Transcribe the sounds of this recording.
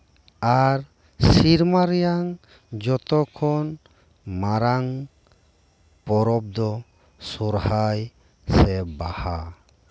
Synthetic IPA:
aɾ | siɾmaɾɛjaŋ | d͡ʒɔt̪ɔkʰɔn | maɾaŋ | pɔɾɔb̚d̪ɔ | suɾhaj | sɛbaha

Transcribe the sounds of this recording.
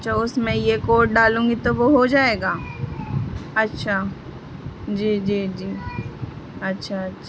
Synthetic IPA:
ʃʰaʊsmẽjekoːʈ̚ɖaːlũːŋɡit̪oʋoɦod͡ʒaːeːɡaː | ɐtːʃʰa | d͡ʒiːd͡ʒiːd͡ʒiː | ɐtːʃʰaɐtːʃʰ

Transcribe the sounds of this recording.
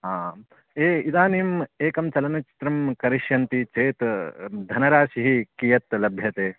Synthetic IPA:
ɦa | eːid̪aːniːmeːkɐmt͡ʃɐlɐnɐt͡ʃi̥t̪ɾɐmkɐɾiʃjɐnt̪it͡ʃeːt̪d̪ʱɐnɐɾaːʃiɦikijɐt̪lɐbʱjɐt̪eː

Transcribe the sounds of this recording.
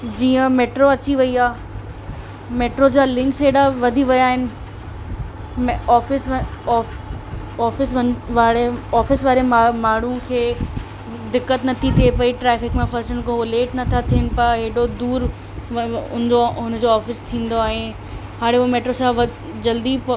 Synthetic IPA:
d͡ʑiːə̃meːʈɾoɐt͡ɕiʋɐiaː | meːʈɾod͡ʑaːlɪ̃ŋkseːɽaʋɐd̪ʱiʋɐjaːɦɪnɪ̆ | mɔːfɪs | ɔːfɪsɐʋaːɽeɔːfɪsʋaːɾemaːɳ̤ũkʰeː | d̪ɪkːət̪nɐt̪ʰit̪ʰiepɐiʈɾɛːfɪkmẽfɐɾsəɽ̃kõɦoːleːʈnɐt̪ʰat̪ʰiənɪ̆pɐɦeɦɽod̪uːɾ | ʊ̰nɪd͡ʑoʊnə̆d͡ʑoɔːfɪst̪ʰĩːn̆d̪oaːɦẽ | ɦaːɽeuomeːʈɾosãʋɐ | d͡ʑɐld̪ip

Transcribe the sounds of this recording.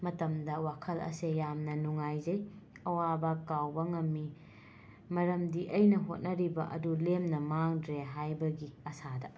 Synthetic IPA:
mɐtɐmdɐwakʰɐlɐ̰sejamnɐnuŋajzɐj | ɐwabɐkawbɐŋɐmːi | mɐɾɐmdiʔɐjnɐɦot̚nɐɾibɐʔɐ̰dulemnɐmaŋdɾeɦajbɐɡiɐsadɐ

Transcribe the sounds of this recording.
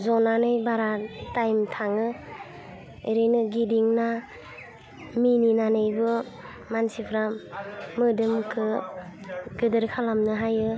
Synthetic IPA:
zɔnanɯjbaɾatajmtʰaŋɯ | eɾɯjnɯɡidiŋna | mininanɯjbɯ | mansipʰɾamːɯdɯmkʰɯ | ɡ̥ɯdɯɾkʰalamnɯɦajɯ

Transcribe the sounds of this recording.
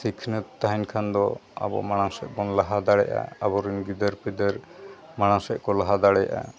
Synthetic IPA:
sikʰnət̪t̪ːaɦinkʰand̪ɔa̰bɔ̰ʔmaɽ̃ãsɛʔ̚bɔnlaɦad̪aɽɛʔa̰abɔɾinɡid̪əɾpid̪əɾmaɽ̃ãsɛʔ̚kɔlaɦad̪aɽɛjaʔa̰

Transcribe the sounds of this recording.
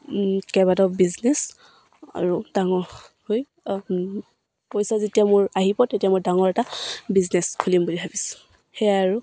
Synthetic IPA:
kɛbadɔbiznɛs | a̰ɹudaŋɔhoj | pojsazetijamʊɹaɦipɔtetijamoɹdaŋɔɹɛtabizneskʰulimbulibʰʱabisʊ̥ | xɛjaɹu

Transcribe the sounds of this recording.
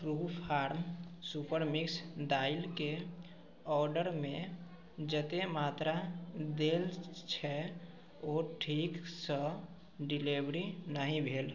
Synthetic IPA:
ɾuːpʰaːɾmsupəɾmɪksd̪aːɪlke | ɔːɾɖəɾmẽ | d͡ʒət̪emaːt̪ɾad̪eːlt͡ʃʰɛ | oːʈʰiːksə | ɖɪlebɾinəɦĩbʱeːl

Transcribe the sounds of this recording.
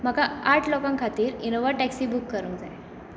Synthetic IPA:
m̤əkaaʈʰlɔkãŋkʰat̪iːɾinoʋəɾʈɛksiːbukːəɾũːŋk̚d͡zaj

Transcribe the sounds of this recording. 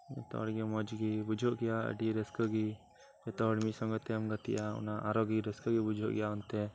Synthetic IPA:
d͡ʒɛt̪ɔ̰ɔɽɡimɔd͡ʒɡibud͡ʒʱɔʔɡɛjaə̰ɖiɾəskəɡi | d͡ʒɛt̪ɔɔɽmisɔŋɡɔt̪ɛmɡət̪ḭʔaṵnaʔaɾɔɡiɾəskəɡibud͡ʒʱɔʔɡɛjaunt̪ɛ

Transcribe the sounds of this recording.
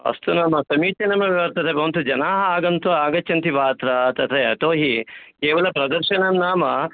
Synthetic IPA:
ɐ̰st̪unaːmɐsɐmiːt͡ʃɐnɐmɐʋiʋɐɾt̪ɐt̪ʰebɐʋɐnt̪ud͡ʒɐnaːɦɐaːɡɐnt̪uaːɡɐt͡ʃːt͡ʃːɐnt̪iʋaːt̪ɾɐt̪ɐt̪eɐʈoːɦikeːʋɐlɐpɾɐd̪ɐɾʃɐnɐmnaːmɐ

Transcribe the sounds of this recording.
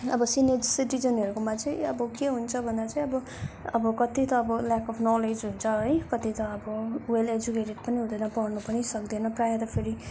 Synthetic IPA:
ʌbʌsined͡zsiʈid͡zʌnʌɾukomat͡saĩʌbʌkeɦunt͡sʰʌbʱʌnd̪at͡saĩʌbʌ | ʌbʌkʌt̪it̪ʌːbʌlakʌpʰnɔled͡zɦunt͡sʰʌɦʌjkʌt̪it̪ʌːbʌweled͡ʒukeʈeʈ̚pʌniɦũd̪ʌnʌpʌrnupʌnisʌk̚d̪enʌprajʌ̃t̪ʌpʰeɾi

